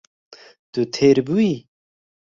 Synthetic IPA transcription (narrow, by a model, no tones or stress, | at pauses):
t̪ut̪ʰeːɾbui